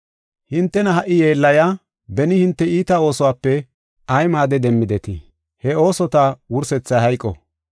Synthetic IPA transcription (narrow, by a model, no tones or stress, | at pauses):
hɪnt̪ːɛnɐɦɐʔːɪje̞ːlːɐja | bɛnɪhɪnt̪ːɛiːt̪ɐo̞ːsɔwaːpːɛ | ɐjmaːd̪ɛd̪ɛmːɪd̪ɛt̪ɪ | hɛo̞ːsɔt̪awʊɾsɛt͡sːɐjhɐjkʼːɔ̰